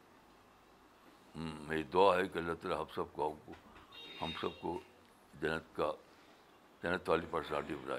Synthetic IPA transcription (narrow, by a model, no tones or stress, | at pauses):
meid̪oaɦɛkɐlɐt̪ɾaɦɐbsɐb̚kokohɐmsɐb̚ko | d͡ʒɐnət̪ka | d͡ʒɐnət̪ʋaːlipɐɾsaːʈibɾa̰ː